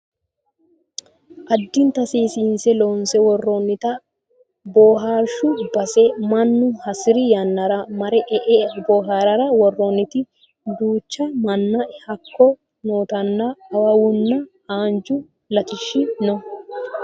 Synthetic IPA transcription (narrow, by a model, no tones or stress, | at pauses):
ʔɐd̪ːɪnt̪ɐsiːsiːnsɛloːnsɛwɔrːoːnːɪt̪ɐ | boːɦaːʃʊbɐsɛmɐnːʊhɐsɪɾɪjɐnːɐɾɐmɐɾɛʔɛʔɛboːɦaːɾɐɾɐwɔrːoːnːɪt̪ɪ | d̪uːt͡ʃːɐmɐnːɐɛhɐkːɔ | noːt̪ɐnːɐːwɐwʊnːɐhaːnd͡ʒʊ | lɐt̪ɪʃːɪnɔ